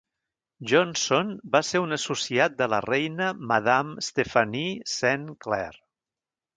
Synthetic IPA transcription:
ʒonsonbaseɾunəsusiat̪̚d̪ələ̰rɛjnəməðamst̪efənisɛŋklɛ̰r

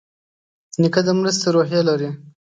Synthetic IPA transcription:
nɪkad̪əmɾəst̪aɾoɦjelaɾi

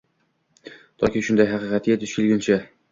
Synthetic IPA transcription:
t̪ʰɒ̰kʲiʃʊnd̪ajɦɑqɨːqʰɑt̪jet̪ɪʃɪlɡʲɪnt͡ʃʰa

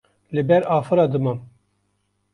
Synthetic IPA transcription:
lɨbɛɾɑːfɨɾɑːd̪ɨmɑm

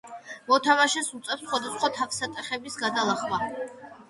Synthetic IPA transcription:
mɔt̪ʰamaʃɛsut̪sʼɛpsχwad̪asχwat̪ʰakʰsat̪ʼɛχɛbisɡad̪alˠaχwa

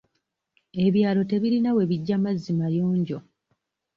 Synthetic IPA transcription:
e̞βjaːlo̞te̞βiɾinawe̞βiɟːamazːimajoːɲɟo̞

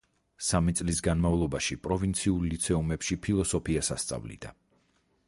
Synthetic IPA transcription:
samit̪sʼlisɡanmavlˠɔbaʃipʼɾɔvint̪sʰiuɾlit̪sʰɛumɛpʃipʰilˠɔsɔpʰiasa̰st̪sʼa̰vlḭd̪̥a

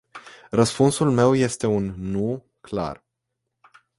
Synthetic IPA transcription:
rəspunsulme̞wje̞st̪e̞unːu | kla̰r

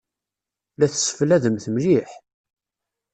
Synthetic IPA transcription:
læθəsə̥fəlæðəmθəmliħ

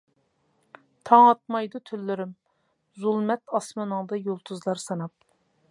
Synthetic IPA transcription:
t̪ʰɑŋɑt̪̚mɑjd̪ut̪ʰylːɪɾɪm | zulˠmɛt̪ɑsmɑnɨŋd̪ɑjolˠt̪ʰuzlˠɑɾsɑnɑp̚

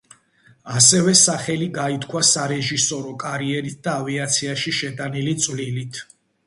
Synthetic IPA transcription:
asɛvɛsaχɛliɡait̪ʰkʰwasaɾɛʒisɔɾɔkʼaɾiɛɾit̪̚d̪aːviat̪sʰiaʃiʃɛd̪ʼanilit̪sʼvlilit̪ʰ

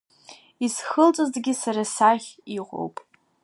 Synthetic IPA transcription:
isχəlt͡sʼozdɡʲɪsaɾasaχʲiqʷo̰wpʼ

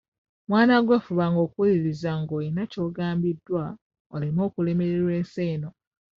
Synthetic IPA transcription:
mwaːnaɡwe̞fuβaŋɡo̞ːkuwuliɾizaŋɡoːjinaco̞ːɡaːmbidːwa | olimo̞ːkule̞me̞ɾeɾwe̞ːnseːno̞

